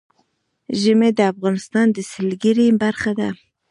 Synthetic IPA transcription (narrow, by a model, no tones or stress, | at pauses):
ʒɪmed̪əafɣɑnɪst̪ɑnd̪əsɪlɡəɾibaɾxad̪a